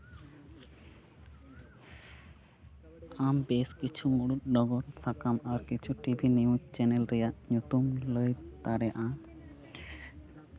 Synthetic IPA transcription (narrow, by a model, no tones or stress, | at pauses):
ambeskit͡ʃʰumuɽut̪̚ɖɔɡɔɾsʰakamaɾkit͡ʃʰuʈibʱiniud͡ʒt͡ʃɛnɛlɾɛjaʔɲut̪umləj̪t̪aɾɛʔa